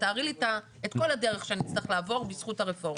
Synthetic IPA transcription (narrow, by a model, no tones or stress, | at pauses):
taːʁilita | etko̞ladeʁeχʃeanit͡sliχlaːvo̞ʁbisχutaʁefo̞ʁ